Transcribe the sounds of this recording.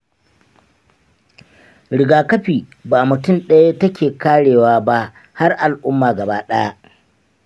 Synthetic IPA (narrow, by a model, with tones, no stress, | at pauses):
ɽɪ˨ɡaː˨kɐ˦ɸiː˨baː˨mʊ˨tʊ˦˨mɗɐ˦ja˦tɐ˦kʲeː˨kaː˦ɽeː˨waː˦˨ba˦ʔ | ha˦rʔa˨lʔʊ˦mːaː˨ɡɐ˨baː˦ɗɐ˦ja˦